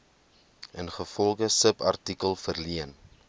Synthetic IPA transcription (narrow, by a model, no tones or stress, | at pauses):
ənχəfɔlˠχəsəpɐ̰rtikəlˠfərliən